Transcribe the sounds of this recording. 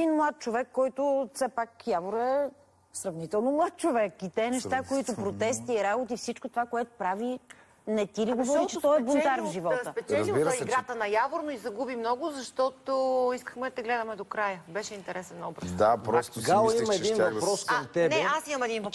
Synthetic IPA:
ɛd̪inmlˠat̪̚t͡ʃovɛkːɔjt̪ofsɛpakjavoɾɛ | sɾɐvnit̪ɛlˠnomlˠat̪̚t͡ʃovɛkit̪ɛnɛʃt̪akoit̪ʊpɾot̪ɛst̪iɾabot̪ifsit͡ʃkot̪ovakoɛt̪o̥pɾavi | nɛt̪iɾɛɡovɔɾit͡ʃɛt̪ɔɛbont̪aɾvʒivɔtsəpɛt͡ʃ̪ɛɾzbiɾəsiɛɡɾat̪ənɐjavoɾnoizɐɡubimnɔɡʊzɐʃt̪ɔt̪oiskə̥xmɛd̪ɐt̪ɛɡlɛd̪ɐmɛd̪okɾajəbɛʃɛint̪ɛɾɛsɛnːɔbɾɐd̪apɾɔst̪ɡalˠɐimɐɛdinɐpɾɔskt̪ɛbnɛasimɐmɛd̪invɐ

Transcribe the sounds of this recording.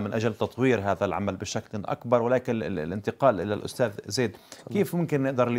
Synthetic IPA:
mɪnʔad͡ʒalt̪ɑt̪ˤwiːɾɦaːðalʕa̰malbɪʃaklʔa̰kbɑɾˤwɪlaːkɪnɪlʔɪnt̪ɪqɑːlʔɪ̰lalʔʊ̰st̪aːðzeːd̪keːfmʊmkɪnːɪʔd̪ɑɾˤl

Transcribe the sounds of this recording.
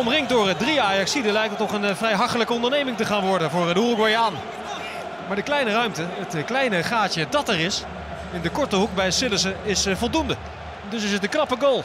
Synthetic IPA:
ɔmrɪŋkdʊːɹədriaːjɑksidəlɛjk̚tətɔχənvrɛjɦɑχtələkəɔndəɹnejmɪŋtəχaːnʋɔɹdənvʊːrdulˠkʋajaːn | maːɹdəklɛjnərœɥmtəɦətklɛjnəχaːtjədɑtɛrɪs | ɪndəkɔɹtəɦuk̚bɛjsɪləsəɪsfɔlˠdundə | ɛndʏsɪsət̚dəknɑpəɡoːlˠ

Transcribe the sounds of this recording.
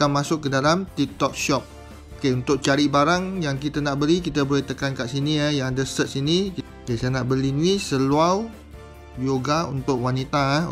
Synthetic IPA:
kamasʊkːədalamt̪ik̚t̪ɔk̚ʃɔp̚ | okeunt̪ʊk̚t͡ʃaɾibaɾaŋjaŋkit̪ənaʔbəɾik̬it̪əbolɛht̪əkankaʔsiniajãŋadəsət̪̚sini | kesanaʔbəlinũisəluaw | joɡaṵnt̪ʊk̚wanit̪a

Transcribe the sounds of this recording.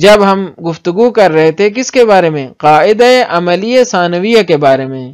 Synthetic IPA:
d͡ʒɐbɦɐmɡʊft̪ʊɡukɐɾːɐɦet̪ʰekɪskebaːɾemẽqaːɪd̪aeʔɐməliesaːnəʋijakebaːɾemẽː

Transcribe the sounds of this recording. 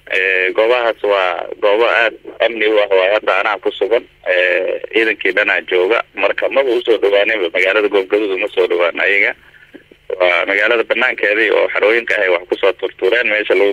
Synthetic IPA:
ʔɛːɡɔːβɐɦaːswɑːɡɔːβɐʔaːd̪̚ʔɐmnɪʊɑhwɑːhɐd̪ɐːnɐkʰʊsʊɣɐn | ɛːiːðɐŋkʰiːɖɐnaːt͡ʃɔːɣɐ̰mɐrkʰɐmɐβʊʊsɔːɖɔwaːnɛmbɐmɐɣaːlɐðɐɡɔːbɡɐðʊːðʊmɐsɔːɖɔwaːnʔɐ̰jɐɣɐ | wɑːmɐɣaːlɐðɐbɐnːaːŋkʰɛːðɛjɔ̰ːħɑɾɔːjɪŋkʰɐhɛjwɑħkʰʊsɔːt̪ʰʊrt̪ʰʊɾɛːnmɛːʃɐlɐɣʊ

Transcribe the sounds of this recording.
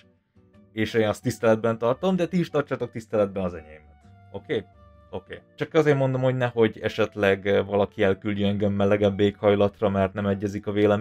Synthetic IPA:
eːʃeːnɒst̪ːist̪ɛlɛd̪̚bɛnt̪ɒrt̪o̞md̪ɛt̪iːʃt̪ɒrt͡ʃaːt̪o̞k̚t̪ist̪ɛlɛd̪̚bɛnɒzɛɲɛjimɛt̪ | o̞keː | o̞kḛːt͡ʃɒkɒzeːɾmo̞nd̪o̞mho̞ɟnɛho̞ɟɛ̰ʃɛt̪lɛɡvɒlɒkiɛlkylɟøɛŋɡɛmːɛlɛɡɛbbeːkhɒjlɒt̪rɒmɛrt̪nɛmɛɟːɛzikɒveːlɛm

